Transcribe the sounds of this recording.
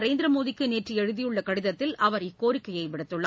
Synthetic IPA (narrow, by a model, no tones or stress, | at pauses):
ɾeːnd̪ɾɐmoːðɪkːɯneːʈriɛɻɯðɪjɯɭːɐkɐɽɪðɐt̪ːɪlʔɐʋɐɾɪkːoːɾɪkːɐjɐɪʋɪɽɐt̪ːɯɭːɐ̰